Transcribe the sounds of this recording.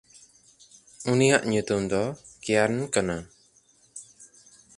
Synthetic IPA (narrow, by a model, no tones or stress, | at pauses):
unijaʔɲut̪umd̪ɔ | kɛjaɾnkana